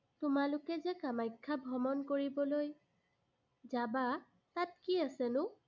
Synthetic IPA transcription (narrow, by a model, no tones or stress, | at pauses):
tʊmalʊkɛzɛkamajkʰːabʱɔmɔnkoɹibɔloj | zaba | tat̚kiasɛnʊ